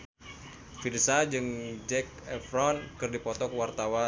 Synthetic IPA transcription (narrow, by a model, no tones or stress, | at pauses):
firsad͡ʒɨŋd͡ʒɛk̚ɛfɾɔnkɨrdipɔt̪ɔkwart̪awa